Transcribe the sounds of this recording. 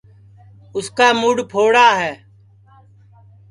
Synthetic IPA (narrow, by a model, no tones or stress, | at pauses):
ʊskaːmʊɽpʰoːɽaːɦɛː